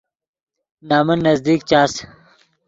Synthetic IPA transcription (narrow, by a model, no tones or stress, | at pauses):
naːmɐnːɐzd̪iːk̚t͡ɕaːs